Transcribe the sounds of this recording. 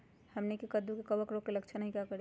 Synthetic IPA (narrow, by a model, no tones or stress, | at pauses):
həmnikekəd̪ukekəbəkɾokkːeləkt͡ʃʰənəɦĩkakəɾ